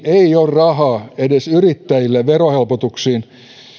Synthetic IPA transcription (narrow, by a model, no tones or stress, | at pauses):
eiorrɑhɑːedesyrit̪ːæjilːeʋerohelpot̪uksiːn